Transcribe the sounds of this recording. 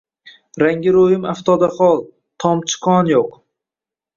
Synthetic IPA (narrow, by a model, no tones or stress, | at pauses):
ɾaŋɡʲɪɾojɪmaft̪ʰɒd̪aχɒlˠ | t̪ʰɒmt͡ʃʰɪ̥qʰɒnjoq